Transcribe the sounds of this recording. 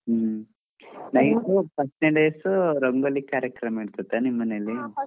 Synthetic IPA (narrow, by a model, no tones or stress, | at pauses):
ɦ | nɐjtupɐʈneɖeːsuɾɐŋɡɐlikaːɾjɐkɾɐmiːɽt̪ɐt̪ːenimːɐnelːi